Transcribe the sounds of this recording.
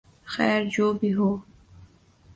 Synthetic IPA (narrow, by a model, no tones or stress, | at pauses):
xɛːɾd͡ʒoːbiɦoː